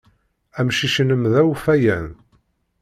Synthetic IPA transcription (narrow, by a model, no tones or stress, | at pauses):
æmʃiʃənəmðæwfæjæn